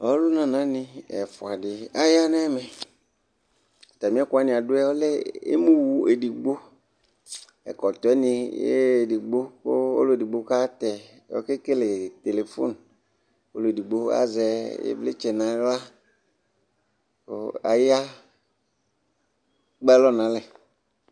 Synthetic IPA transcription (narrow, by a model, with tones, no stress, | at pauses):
ɔ˦lʊ˦nã˨nã˨˦nɪ̃˨ɛ̰˨fʊ˨a˨dɪ˨a˦ja˦n˦ɛ˦mɛ̃˨ | t̪a˨mĩ˨˦ɛ˦kʊ˦a˨˦nɪ̃˨a˨dʊ˦ɛ˦ɔ˦le˦ḛ˦mũ˦wu˨e˨di˨ɡ͡bo˦ | ɛ̰˨kɔ˨t̪ɔ˨˦ɛ˦nɪ̃˨jḛ˦˨di˨ɡ͡bo˦ko˦o̰˦lo˦e˨di˨ɡ͡bo˦ka˦t̪ɛ˨ | ɔ̰˦ke˦ke˦le˨t̪e˨le˨fo̰˦n | o˦lo˨e˨di˨ɡ͡bo˦a̰˦zɛ˨jḛ˦ble˦t͡ʃɛ˨nã˨˦la˦ | o˦a̰˨ja˦ | k͡pɛ˦lɔ˦nã˨˦lɛ˨